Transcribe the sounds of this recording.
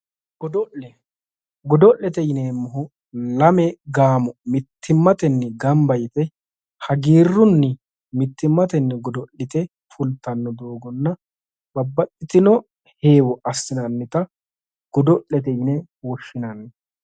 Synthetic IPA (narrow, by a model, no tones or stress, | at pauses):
ɡ̥ɔd̪ɔʔɛ | ɡɔd̪ɔʔːɛt̪ɛjɪneːmːʊɦʊ | lɐmɛɡaːmɔmɪt̪ʰːɪmːɐt̪ɛnːɛɡɐmbɐjɪt̪ɛ | hɐɡiːrːʊnːɛ | mɪt̪ːɪmːɐt̪ɛnːɛɡɔd̪ɔlːɪt̪ɛ | fʰʊlt̪ːɐnːɔd̪oːɡɔnːɐ | bɐbːɐt̪ʼːɪt̪ɪnɔ | he̞ːwɔʔɐsːɪnɐnːɪt̪ɐ | ɡ̥ɔd̪ɔʔːɛt̪ɛjɪnɛ | wɔʃːɪnɐnːɛ